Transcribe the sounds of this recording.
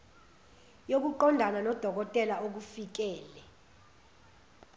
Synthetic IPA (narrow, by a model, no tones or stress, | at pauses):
jok̬uǃɔndʱananɔd̥ʱɔk̬ɔtʼɛlaʔok̬ufik̬ɛːlɛ